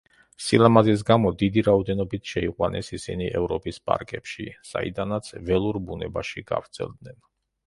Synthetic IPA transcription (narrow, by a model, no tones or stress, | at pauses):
silˠamazis̬ɡamɔd̪id̪iɾaɔd̪ɛnɔbit̪ʰʃɛiqʼwanɛsisiniʔɛvɾɔpʼispʼa̰ɾkʼɛpʃḭsa̰ḭd̪anat̪sʰvɛlˠuɾbunɛbaʃiɡa̰vɾt̪sʰɛ̰lˠd̪nɛn